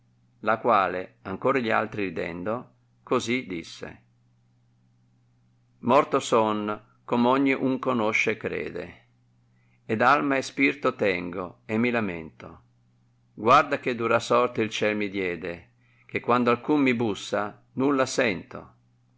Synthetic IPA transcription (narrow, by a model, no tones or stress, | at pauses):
lakwaːleaŋkoːɾaʎia̰lt̪ɾiɾid̪ɛ̰nd̪o | kozid̪isːḛ | mɔrt̪osɔn | komɔɲːiʔuŋkonoʃːekːɾɛ̰ːd̪ḛ | ɛd̪almaɛspirt̪ot̪ɛŋɡoemːilamɛ̰nt̪o̰ | ɡward̪ak̟ed̪uɾasɔrt̪ilt͡ʃɛlmid̪jɛːd̪e | k̟ekːwand̪oalkumːibusːa | nulːasɛnt̪o̰